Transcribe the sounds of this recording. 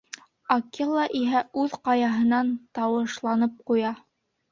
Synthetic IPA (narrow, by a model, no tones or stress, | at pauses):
ɐkelˠːɑʔiɦæʉðqɑjɑɦɤ̆nɑnt̪ɑwɤ̆ʃlˠɑnɤp̚qujɑ